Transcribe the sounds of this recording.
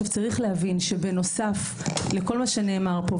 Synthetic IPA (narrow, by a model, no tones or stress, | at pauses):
vt͡saʁiχlehavinʃe̞beno̞safleko̞lmaʃene̞ːmaʁpo